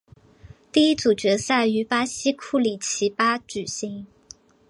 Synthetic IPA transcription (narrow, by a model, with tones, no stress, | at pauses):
t̪i˥˩i˥t͡su˨˩t͡ɕɥɛ˧˥sa˥˩ɪy˧˥pa˥ɕi˥kʰu˥˩li˨˩t͡ɕʰi˧˥pa˥t͡ɕy˨˩ɕi˧˥ŋ